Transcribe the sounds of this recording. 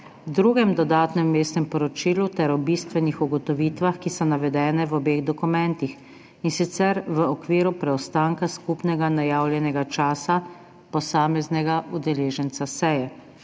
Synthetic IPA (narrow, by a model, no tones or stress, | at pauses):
d̪ɾuːɡɛmd̪ɔd̪aːt̪nɛmːeːst̪nɛmpɔɾɔt͡ʃiːlut̪ɛɾɔbiːst̪ʋɛnixuɡɔt̪ɔʋiːt̪ʋaxkisɔnaʋɛd̪ɛːnɛʋɔbeːɣd̪ɔkumɛ̃nt̪ix | insit̪sɛɾʋəɔkʋiːɾupɾɛɔst̪aːŋkaskupnɛɡanajaːwljɛnɛɡat͡ʃaːsa | pɔsaːmɛznɛɡaʔud̪ɛleːʒənt̪sasɛjɛ